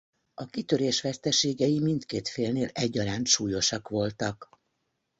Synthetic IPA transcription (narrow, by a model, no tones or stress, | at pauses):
ɒkit̪ø̞ɾeːʃʋɛst̪ɛʃeːɡɛjimint̪keːt̪feːlneːlɛɟːɒɾaːnt̪ʃuːjo̞ʃɒkʋo̞lt̪ɒk